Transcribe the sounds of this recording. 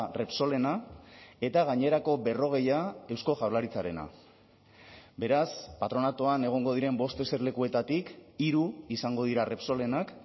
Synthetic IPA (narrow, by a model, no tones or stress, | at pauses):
re̞pso̞le̞nae̞t̪aɣ̞aɲe̞ɾako̞be̞ro̞ɣ̞e̞jae̞wsko̞ʝawlaɾit͡saɾe̞na̰ | be̞ɾaspat̪ɾo̞nat̪oane̞ɣ̞o̞ŋɡo̞ð̞iɾe̞mbo̞st̪e̞se̞ɾle̞kue̞t̪at̪ikiɾuisaŋɡo̞ð̞iɾare̞pso̞le̞nak